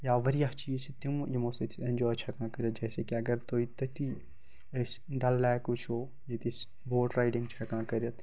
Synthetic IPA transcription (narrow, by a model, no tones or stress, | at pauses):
jaːʋɐɾijat͡ʃiːzt͡ʃʰit̪imjimoːsɐt̪ʰiɐnd͡ʒoːɐt͡ʃʰɐkãːkɐɾjɐt̪̚d͡ʒɛːsekiɐɡɐɾt̪oːit̪ɐt̪i | sɖɐlːɛːkut͡ʃʰoː | jet̪is | boːʈɾaːɪɖiŋɡt͡ʃʰɐkãːkɐɾjɐt̪